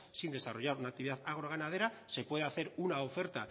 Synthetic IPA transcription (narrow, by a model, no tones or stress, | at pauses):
sind̪e̞saro̞ʝaɾunak̚t̪iβiðaðaɣ̞ɾoɣ̞anað̞e̞ɾase̞pwe̞ðeaθe̞ɾunaofe̞ɾt̪a